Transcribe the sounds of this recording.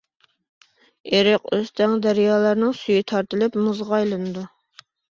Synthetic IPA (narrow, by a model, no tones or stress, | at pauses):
eɾɪqøst̪ʰɛŋd̪æɾjɑːlˠæɾnɨŋsyjit̪ʰɑɾt̪ɨlɪpmɨzʁɑjlˠɨnɨd̪u